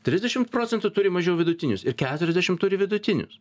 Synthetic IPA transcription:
t̪ʲɾʲɪzʲd̪ʲɛʃʲɪmt̪pɾoːt̪ʲɛnt̪ʊt̪ʊɾʲɪmɐʒʲɛʊʋʲɪd̪ʊt̪ʲɪnʲʊsɪɾkʲæːt̪ʊɾʲɛzʲd̪ʲɛʃʲɪmt̪ʊɾʲɪʋʲɪd̪ʊt̪ʲɪnʲʊ̰s

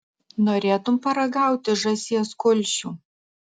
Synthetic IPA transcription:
noːɾʲeːt̪ʊmpɐɾɐɡɑˑʊt̪ʲɪʒɐsʲiɛskʊlʲˑʃʲuː

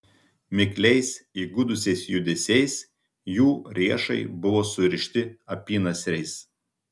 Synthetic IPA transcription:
mʲɪkʲlʲɛɪsiːɡʊd̪ʊsʲɛɪsjʊd̪ʲɛsʲɛɪs | juːɾʲiɛʃɐɪbʊʋoːsʊɾʲɪʃʲt̪ʲɪɐpʲiːnɐsʲɾʲɛɪs

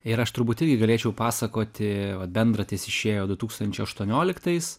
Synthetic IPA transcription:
ɪɾɐʃt̪ʊɾbuːt̪ɪɾʲɡʲɪɡɐlʲeːt͡ʃʲɛʊpɑːsɐkoːt̪ʲɪʋɐt̪̚bʲɛnd̪ɾɐt̪ʲɪsɪʃʲeːjoːd̪ʊt̪uːkst̪ɐnʲt͡ʃʲɛɪɐʃt̪uɔnʲoːlʲɪkt̪ɐɪs

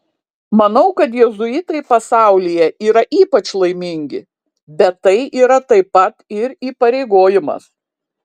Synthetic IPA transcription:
mɐnɐʊkɐt̪jɛzʊjɪt̪ɐɪpɐsɑˑʊlʲijɛʔiːɾɐʔiːpɐt͡ʃlˠɐɪmʲɪŋʲɡʲɪ | bʲɛt̪ːɐɪʔiːɾɐt̪ɐɪpɐt̪ɪɾiːpɐɾʲɛɪɡoːjɪmɐ̰s

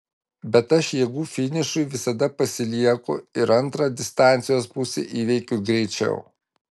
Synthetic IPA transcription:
bʲɛt̪ɐʃjɛɡuːfʲɪnʲɪʃʊɪʋʲɪsɐd̪ɐpɐsʲɪlʲiɛkʊ̰ɪɾɐnˑt̪ɾɑːd̪ʲɪst̪ɑˑnʲt̪sʲɪjoːspʊsʲḛʔiːʋʲɛɪkʲʊɡɾʲɛɪt͡ʃʲɛ̰ʊ

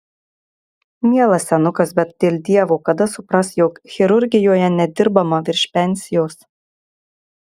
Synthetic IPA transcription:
mʲiɛlˠɐsːʲɛnʊkɐsbʲɛt̪̚d̪ʲeːlʲd̪ʲiɛʋoːkɐd̪ɐsʊpɾɐsjoːkxʲɪɾʊɾʲɡʲɪjoːjɛnʲɛd̪ʲɪɾbɐmɐʋʲɪɾʲʃʲpʲɛnʲsʲɪjoːs

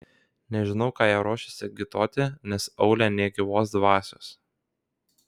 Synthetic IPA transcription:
nʲɛʒʲɪnɒʊkɑːjɛːɾoːʃʲɪsʲɪɡʲɪt̪oːt̪ʲɪnʲɛsɒʊlʲænʲeːɡʲɪʋoːsd̪ʋɑːsʲo̰ːs

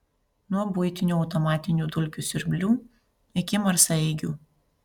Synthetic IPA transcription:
nuɔbʊɪt̪ʲɪnʲuːɒʊt̪ɔmɑːt̪ʲɪnʲuːd̪ʊlʲkʲuˑsʲɪɾʲbʲlʲuː | ɪkʲɪmɐɾsɐɪɡʲuː

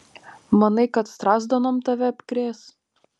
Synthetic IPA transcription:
mɐnɐɪkɐt̪st̪ɾɑːzd̪onoːmt̪ɐʋʲɛɐpʲkɾʲeːs

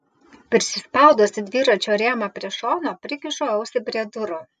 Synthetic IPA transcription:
pʲɛɾʲsʲɪspɐˑʊd̪osʲɪd̪ʲʋʲiːɾɐt͡ʃʲoːɾʲeːmɐpʲɾʲiɛʃoːnoːpʲɾʲɪkʲɪʃoːɐʊsʲɪbʲɾʲɛd̪ʊɾo

